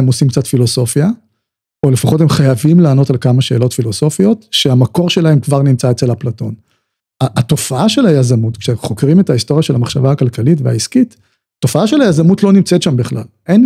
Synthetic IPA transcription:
emosimkt͡satfilo̞so̞fja | ole̞faχo̞temχajavimlaːno̞talkamaʃe̞ːlo̞tfilo̞so̞fio̞tʃeamako̞ʁʃelahe̞mkvaʁnimt͡saet͡selhaplato̞n | aːto̞faaʃe̞lajazamutkʃeχo̞kʁime̞taisto̞ʁjaʃe̞lhamaχʃavaakalkalitvea̰iskit | to̞faaʃelajazamutlo̞nimt͡setʃambiχla̰l | en

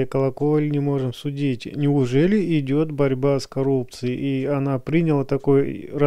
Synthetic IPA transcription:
kəlˠɐkolʲnʲɪmo̞ʐɨmsʊdʲitʲnʲɪʊʐɛlʲɪɪdʲo̞t̪bɐɾʲbaskɐɾup̚t̪sɨjɪʔiɐnapɾʲinʲɪlˠət̪ɐko̞jrɐ

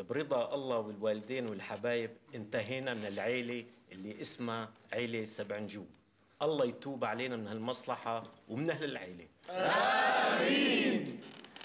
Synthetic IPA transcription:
bɾɨd̪ˤɑʔɑlˤːɑwɪlwaːlɪd̪eːnwɪlħabaːjɪbʔɪnt̪aɦiːnamɪnɪlʕeːleʔɪlːiʔɪsmaʕeːlesabʕnʒuː | ʔɑlˤːɑjt̪uːbaʕaleːnamɪnhalmɑsˤlɑħɑwmɪnʔahlɪlʕeːle | iː

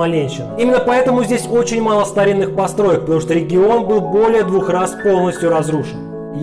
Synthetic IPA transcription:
ɐlʲnʲejʂɨimʲɪnːəpɐɛt̪əmʊzʲdʲesʲo̞t͡ɕɪnʲmalˠəst̪ɐɾʲinːɨxpɐst̪ɾo̞jək̚pət̪ɐmuʂt̪oɾʲɪɡʲɪo̞nbɨlˠbo̞lʲɪjəd̪vuxraspo̞lˠnəsʲtʲjʊɾɐzruʂɨn

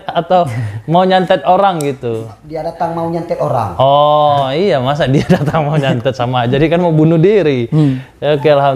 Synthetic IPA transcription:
at̪awmauɲant̪ɛt̪̚oɾaŋɡit̪u | diadat̪aŋmauɲant̪ɛt̪oɾa̰ŋɔijamas̬adiadat̪aŋmauɲant̪ɛt̪̚samad͡ʒadikanmaubunudiɾi | akalɦam

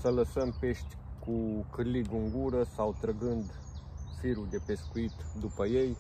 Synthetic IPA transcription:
sələsəmpe̞ʃt̪ʲkukɨrliɡɨŋɡuɾəsawt̪ɾəɡɨnd̪ | fiɾuld̪e̞pe̞skuit̪d̪upəje̞j

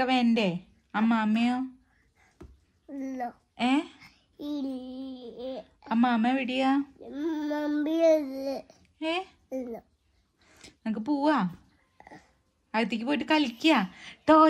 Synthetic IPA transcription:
ɐʋeːnde | aːmaːmːɐjoː | lːo | eː | il | aːmaːmːejʋiɽija | mambijo | eː | lːo | nɐmk̬ːɨp̬uːʋa | ɐɾit̪ːikʲːɨpoːjiʈːɨkɐlkʲːiat̪oː

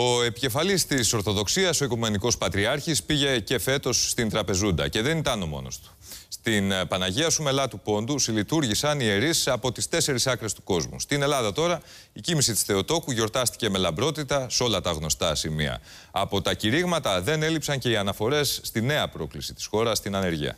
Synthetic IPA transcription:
o̞e̞pice̞fɐlist̪iso̞ɾθo̞ðo̞ksiɐso̞ikume̞niko̞spɐt̪ɾiɐɾçispiʝe̞ce̞fe̞t̪o̞sːt̪int̪ɾɐpe̞zund̪ɐ̰ce̞ðe̞nit̪ɐno̞mo̞̰no̞̰st̪u̥ | st̪inpɐnɐʝiɐsume̞lɐt̪upo̞nd̪usilit̪uɾʝisɐnie̞ɾisɐpo̞t̪ist̪e̞se̞ɾisɐkɾe̞st̪u̥ko̞zmṵst̪ine̞lɐðɐt̪o̞ɾɐ | icimisit̪i̥sθe̞o̞t̪o̞kuʝo̞ɾt̪ɐst̪i̥ce̞me̞lɐmbɾo̞t̪it̪ɐso̞lɐt̪ɐɣno̞st̪ɐsimiɐ̰ | ɐpo̞t̪ɐciɾiɣmɐt̪ɐðe̞ne̞lipsɐɲce̞iɐnɐfo̞ɾe̞sːt̪ine̞ɐpɾo̞klisi̥t̪i̥sxo̞ɾɐst̪inɐne̞ɾʝḭɐ̰

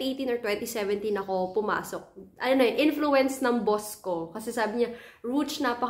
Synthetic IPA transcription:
iʔejt̪inɔɹt̪wɛnt̪isɛvɛnt̪inɐko̞pʊma̰ːsok̚ʔɐnojnʔɪnfluɛnsnɐŋboskokɐsɛsaːbɪɲaɹut͡ʃnɐpɐ

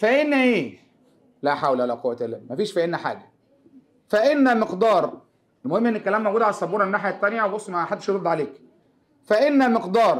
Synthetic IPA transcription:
fæʔenːæʔeː | læħawlʔalæqowːæt̪elːæ̰mæfiːʃfæʔenːæħa̰ːɡæ | fæʔenːæmeqd̪ɑːɾˤ | elmohemːʔenːelkːælæːmːowɡud̪ʕalæsˤːɑbuːɾɑmenːaːħjæt̪ːænjæwbosˤːmæħad̪ːeʃoɾod̪ʕaleːk | fæʔenːæmeqd̪ɑːɾˤ

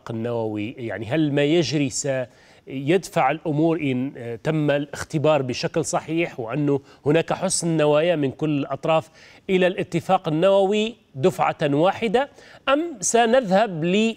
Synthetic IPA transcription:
qɪnːawawija̰ʕniɦalmajɪd͡ʒɾisa | jɪd̪faʕɪlʔʊmuːɾʔɪnt̪amːalʔɪxt̪ɪbɑːɾˤbɪʃaklsˤɑħiːħwɪʔanːʊ | hʊnaːkaħʊsnːawaːjamɪnkʊlːɪlʔɑt̪ˤɾˤɑːf | ʔɪlalʔɪt̪ːɪfaːqɪnːawawi | d̪ʊfʕa̰waːħɪd̪aʔamsanɪðhablɪ

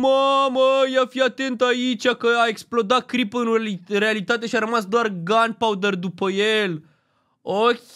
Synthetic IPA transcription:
məməjeafiat̪e̞nt̪ait͡ʃʲakəaeksplo̞d̪at̪̚kɾipəɨnre̞alit̪at̪̬eʃiaɾəmasd̪oarɡanpaud̪ərd̪upəjel | okʲ

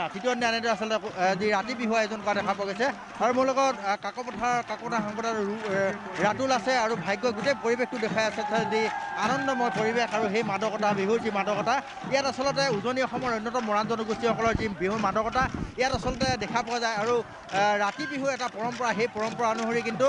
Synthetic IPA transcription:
atitiɔnːianɛdʊasɔlɔtɛziɹatibiɦuwaɛzɔnkɔadɛkʰapɔwaɡojsɛ | aɹumʊɹlɔkɔtkakɔpɔtʰakakɔpɔtʰaxɔŋkɔta | ɹatulasɛaɹubʱajɡːɔɡutejpoɹibek̚tʊdɛkʰajasɛzianɔndɔmɔjpoɹibekaɹuxejmadɔkɔtʰabiɦuɹzimadɔkɔtʰa | ijatasɔlɔtɛuzoniɔxɔmɔɹɔjnːɔtɔmɔɹanzɔnɔɡustixɔkɔlɔɹzibiɦumadɔkɔtʰaijatasɔlɔtɛdɛkʰapɔwazajaɹu | ɹatibiɦuɛtapɔɹɔmpɔɹaxejpɔɹɔmpɔɹanʊɦoɹikintu

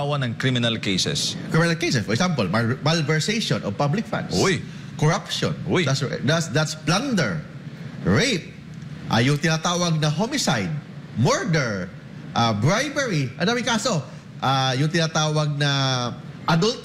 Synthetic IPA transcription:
wɐnɐŋkɾimɪnɐlkejsɛ̰skɹɪmɪnalkejsɛsfɔɹɛksãmpɐlmalvɛɹsejʃɔnʔɔ̰vpablɪkfã̰nd̪soj | kɔɹapʃo̰nʔojd̪atsd̪atsd̪at̪spland̪ɛɹ | ɹejp̚ | ʔa̰jʊŋt̪ɪnat̪aːwɐɡ̚nɐɦomɪsajd̪̚mɔɹd̪ɛɹ | ʔabɹajbɛɹiʔɐ̃nd̪aːmɪŋkaːso | ʔajʊŋt̪ɪnat̪aːwɐɡ̚nɐ | ʔɐd̪ult̪

